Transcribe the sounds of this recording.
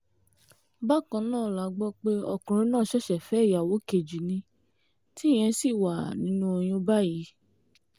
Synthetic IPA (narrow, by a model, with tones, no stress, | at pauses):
ba˦˨kã˧˦nãː˦˨la˨˦ɡ͡bɔ˦k͡pe˦ɔ̰˧kɾ̃ĩ˧˦nãː˦˨ʃɛ˦ʃɛ˨fɛ˨˦˨ja˨wo˨˦ke˨d͡ʒi˨nĩ˧ | ti˦˨j̃ɛ̃˧˦si˦˨wa˨nĩ˨˦nũ˦o˧j̃ĩ˧˦ba˦˨ji˨˦